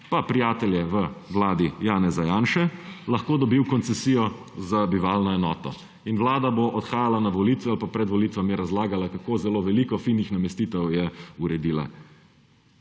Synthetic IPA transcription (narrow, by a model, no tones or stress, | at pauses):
papɾijaːt̪ɛljɛʋəʋlaːd̪ijaːnɛzajaːnʃɛlɐxkoːd̪ɔbiwkɔnt̪sɛsiːjɔ | zabiʋaːlnɔɛnɔːt̪ɔ̰ | inʋlaːd̪aboʔɔt̪xaːjalanaʋɔliːt̪ʋualpapɾɛd̪ʋɔliːt̪ʋamjɛɾazlaːɡalakakoːzɛloʋɛliːkɔfiːnixnamɛst̪iːt̪ɛwjɛuɾɛd̪iːla̰